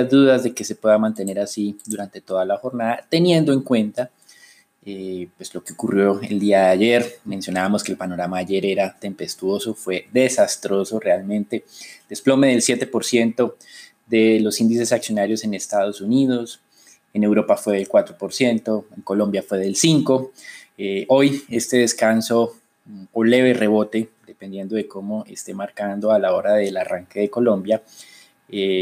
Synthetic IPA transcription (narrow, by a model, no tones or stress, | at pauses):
azd̪uðazðe̞ke̞se̞pwe̞ðamãnt̪e̞ne̞ɾasid̪uɾant̪e̞t̪o̞ðalaxo̞ɾnaðat̪e̞nje̞nd̪oe̞ŋkwe̞nt̪a | epweslo̞keokurjo̞e̞̰ld̪iaðeaʝe̞ɾmẽ̞nsjo̞naβamo̞skeːlpano̞ɾamaːʝe̞ɾe̞ɾat̪e̞mpe̞st̪wo̞so̞fwe̞ðe̞sast̪ɾo̞so̞re̞almẽ̞nt̪e̞d̪e̞splo̞me̞ð̞e̞lsje̞t̪e̞po̞ɾsje̞nt̪o̞ | ðe̞lo̞sind̪ise̞saksjo̞naɾjose̞nest̪að̞osuniðo̞s | ene̞wɾo̞pafwe̞ðelkwat̪ɾopo̞ɾsje̞nt̪o̞eŋko̞lo̞mbjafwe̞ðe̞lsiŋko̞eoje̞st̪e̞ð̞e̞skanso̞ | ole̞βe̞re̞βo̞t̪e̞d̪e̞pe̞nd̪je̞nd̪o̞ðe̞ko̞moest̪e̞maɾkand̪o̞alao̞ɾaðe̞laraŋke̞ðe̞ko̞lõ̞mbja | e